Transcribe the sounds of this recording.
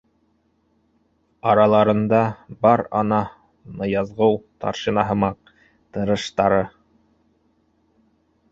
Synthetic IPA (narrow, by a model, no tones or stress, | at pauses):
ɑɾɑlˠɑɾɤ̆nd̪ɑbɑɾɑ̰nɑ | nɤjɑzʁɤwt̪ɑ̰ɾʃinɑɦɤ̆mɑq̚ | t̪ɤ̆ɾɤ̆ʃt̪ɑɾɤ